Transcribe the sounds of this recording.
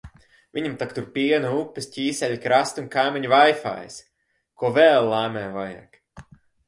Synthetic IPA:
vʲiɲʲamt̪akt̪uɾpʲiɛnɨupʲːɨsʲcʲiːsʲɛlʲkɾast̪unkajmʲiɲuvajfa̰ːj̰s | kuɔvɛːlˠːaːmɛːvaja̰k

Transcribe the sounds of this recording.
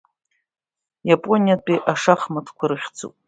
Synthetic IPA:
japʼo̞nʲijatʼiʔaʂaχmɨtʰkʷʰaɾɨχʲt͡sʰʼṵpʼ

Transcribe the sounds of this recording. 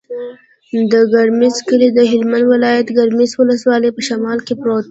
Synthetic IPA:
d̪əɡɐɾmɪzkəlid̪əɦɪlmãnd̪wɪlɑːjət̪ɡɐɾmɪzwʊləswɑːlepəʃɐmɑːlkepɾot̪

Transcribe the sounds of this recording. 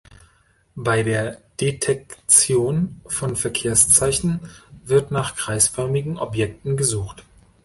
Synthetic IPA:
b̥aɪdeːɐd̥etʰɛkt͡sjoːnfɔnfɛɐkʰeːɐst͡saɪçn̩vɪɐtnaːχɡ̥ʁ̥aɪsfœɐmɪɡŋ̩ʔɔpjɛk̚tn̩ɡəzuːxt

